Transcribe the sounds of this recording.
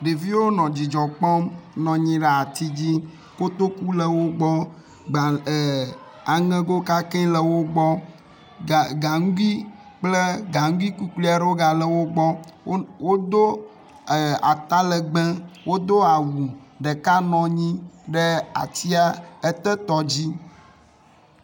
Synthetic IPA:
ɖe˨vi˦wo˦nɔ̃˨d͡ʑi˨d͡ʒɔ˨k͡pɔ˦mnɔ̃˨ɲĩ˦ɖɛ˨a˨t̪i˦d͡ʑi˦ | ko˦t̪o˦ku˦lə˨wo˦ɡ͡bɔ˦ | ɡ͡ba˨ | a˨ŋɛ̃˦ɡo˦ka˦kɛ˦lə˨wo˦ɡ͡bɔ˦˨ | ɡa˨ŋ˦ɡu˦i˦ | k͡ple˦ɡa˨ŋ̩˦ɡi˦ku˦kli˦a˨ɖo˦ɡa˨lə˨wo˦ɡ͡bɔ˦wo˦d̪o˦˨ | a̰˨t̪a˦lə˨ɡ͡bɛ̃˦wo˦d̪o˦a˨wu˨ɖə˨ka˦nɔ̃˨ɲĩ˦ɖə˦a̰˨t̪i˦a˦e˦t̪ɛ˦t̪ɔ˦d͡ʑi˦

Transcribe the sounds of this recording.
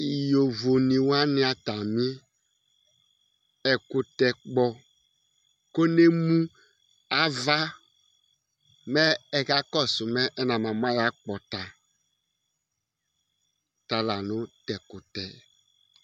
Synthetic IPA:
i˨jo˨vo˨ni˨wa˦nɪ˦a˨ta˨mi˦ | ɛ˨kʊ˨tɛ˨k͡pɔ˨ | ko˦ne˦mũ˦ | a˦va˦ | mɛ˦ɛ˦ka˦kɔ˦˨sʊ˨mɛ˦ʔɛ˦na˨ma˨m˦a˦ja˦k͡pɔ˨ta˨ | ta˨la˨nʊ˦tɛ˨kʊ˨tɛ˨

